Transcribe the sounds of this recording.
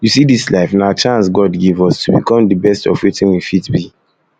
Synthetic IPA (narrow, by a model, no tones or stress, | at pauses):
jusidislaɪfnat͡ʃãnsɡɔdɡivɔstʰubḭkɔ̃mdəbɛstɔ̰vwitĩnwifitbi